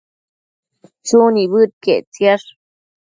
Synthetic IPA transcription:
t͡suniβɨt̪̚keʔt͡sjaʂ

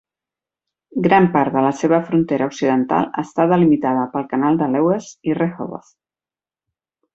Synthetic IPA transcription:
ɡɾampaɾðələseβ̞əfɾunt̪eɾʔəuksiðənt̪a̰lˠə̰st̪aðəlimit̪að̞əpəlˠkənalˠd̪əlɛwesirexo̰βo̰θ

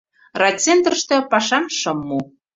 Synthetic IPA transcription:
rɑt͡sent̪ə̆ʃt̪ɤ̆pɑʃɑmʃɤ̆mːu

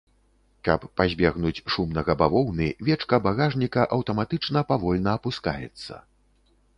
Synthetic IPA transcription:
kɐpːazʲbʲɛɣnut͡sʲʂumnɐɣɐbavɔwnɨvʲɛt͡ʂkɐbaɣaʐnʲikɐʔɐwt̪ɐmat̪ɨt͡ʂnɐpavɔlʲnɐːpuska̰jɛ̰t̪sːɐ̰

